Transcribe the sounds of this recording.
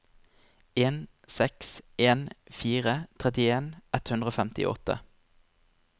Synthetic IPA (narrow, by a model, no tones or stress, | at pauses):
eːn | sɛkseːnfiːʁət̪ʰʁɛt̪ɪeːnʔɛt̪hʉnd̪ʁoːfɛmt̪ɪ̰ʔɔ̰t̪ə̰